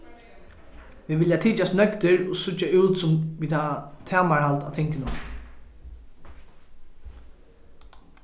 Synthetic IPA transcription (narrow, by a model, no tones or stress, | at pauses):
ʋiːʋɪljat̪ʰiːt͡ʃast̪nœkt̪ɪɹʊsʊt͡ʃːaʉwt̪sʊmʋiːaat̪ʰæːmaɹhalt̪a̰ːt̪ʰɪŋkɪnʊm